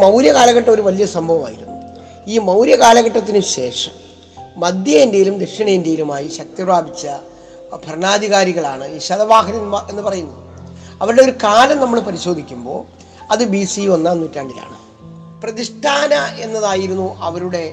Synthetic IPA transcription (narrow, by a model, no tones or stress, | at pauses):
mɐwɾjɐkaːlɐɣɐʈːɐo̞ɾuʋɐlijɐsɐmbʱɐʋɐma̰ːjiɾunːu | iːmɐwɾjɐkaːlɐɣɐʈːɐt̪̬ːinɨɕe̞ːʂɐmː | ɐd̪jɐindejilumd̪ekʂɐɳɐjindejilumaːjiɕɐk̚t̪iraːbʱit͡ɕːɐ | bʱɐrɳaːd̪ʱiɣaːɾiɣɐɭaːɳɨiːɕɐðɐʋaːɦɐnɐe̞nːɨpɐrɐjunːɐðɨ | ɐʋɐɾuɽe̞o̞ɾukaːlɐmnɐmːɐɭpɐɾiɕo̞ːd̪ʱikʲːumbo̞̰ː | ɐðɨbisionːaːnːuːtːaːɳɖiða̰ːɳɨ | prɐðiʂʈʰaːnɐʔe̞nːɐðaːjiɾunːuʔɐʋɐɾuɽe̞